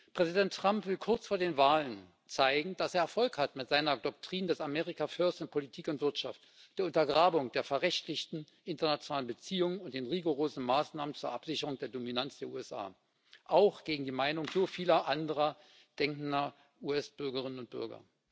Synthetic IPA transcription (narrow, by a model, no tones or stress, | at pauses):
pʁ̥ɛzidɛntːʁ̥ampv̥ɪlkʰʊɐt͡sfoːɐdeːnvaːlən | t͡saɪɡŋ̩d̥aseːɐɛɐfɔlkhatmɪtz̥aɪnɐdɔk̚tʁ̥iːndɛsameːʁikafœɐstn̩pʰolitʰiːkʊntv̥ɪɐtʃaft | d̥eːɐʊntɐɡʁaːbʊŋd̥eːɐfɛɐʁɛçtlɪçtn̩ | ʔɪntɐnat͡sjonaːlənbət͡siːʊŋənʊnt̚d̥eːnʁiɡoʁoːzn̩maːsnaːmənt͡suːɐʔapz̥ɪçəʁʊŋd̥eːɐdominant͡sd̥eːɐṵːɛsʔa̰ː | ʔaʊxɡ̥eːɡŋ̩diːmaɪnʊŋzoːfiːlɐʔandəʁɐ | d̥ɛŋkn̩dɐ | ʔuːɛsb̥ʏɐɡəʁɪnənʊnt̚b̥ʏ̰ɐɡɐ̰